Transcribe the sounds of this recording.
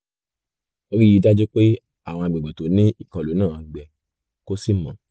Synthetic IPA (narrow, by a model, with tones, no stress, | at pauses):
o˨˧ɾi˦i˧˦da˦d͡ʒo˦k͡pe˦ | a˦˨w̃ɔ̃˧a˧˨ɡ͡bɛ˨ɡ͡bɛ˨to˨˦nĩ˦i˦˨kɔ̃˨lo˨˦nãː˦˨a˧ɡ͡bɛ˨ | ko˦si˦˨mã˨˦